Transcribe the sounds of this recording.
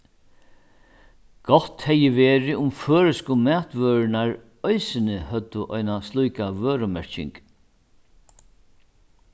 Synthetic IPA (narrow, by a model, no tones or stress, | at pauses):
ɡ̥ɔt̪hɛjɪʋeːɾɪʊmføːɾɪskʊmæːt̪ʋøːɾɪnaɹ | œɪsɪnɪhœt̪ːʊʔɔjnast̪lujkavøːɾʊmɛɹ̥cɪ̰ŋk